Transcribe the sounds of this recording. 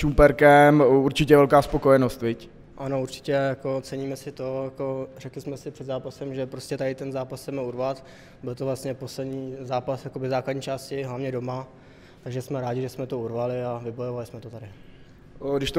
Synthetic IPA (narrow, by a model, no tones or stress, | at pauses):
umpɛɾkɛmuɾt͡ʃɪcɛvɛlkaːspokojɛnost̪vɪc | ʔano̞uɾt͡ʃɪ̥cɛjako̞t͡sɛɲiːmɛsɪt̪o̞jako̞rɛklɪsmɛsɪpr̥ɛd̪zaːpasɛmʒɛpɾoscɛt̪adɪt̪ɛnzaːpasːɛmɛuɾvat̪ | bɪlt̪ovlastɲɛpo̞slɛdɲiːzaːpasjakobɪzaːkladɲiːt͡ʃaːscɪɦlavɲɛdo̞ma | t̪aɡʒɛsmɛɾaːɟɪʒɛsmɛt̪o̞uɾvalɪavɪbo̞jovalɪsmɛt̪ot̪adɪ | ɡdɪʃt̪o